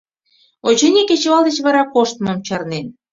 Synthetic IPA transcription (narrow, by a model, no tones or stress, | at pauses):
ot͡ɕɤ̆nʲeket͡ɕoɑld̪et͡ɕβɑɾɑkoʃt̪mɤ̆mt͡ɕɑrnen